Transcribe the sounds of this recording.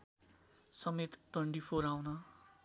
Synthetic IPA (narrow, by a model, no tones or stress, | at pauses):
sʌmet̪t̪wʌɳʈipʰoɾawnʌ